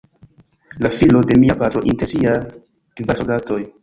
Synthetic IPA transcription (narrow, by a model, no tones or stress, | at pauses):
lafilo̞de̞miapatɾoʔinteɾsia | kvasodato̞j